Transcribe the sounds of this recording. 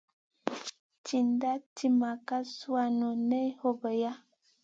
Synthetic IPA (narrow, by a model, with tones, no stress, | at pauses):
ti˨nda˦ti˦ma˨ka˦su˦a˦nɔ˨nɛ˦ho˦bə˨ja˦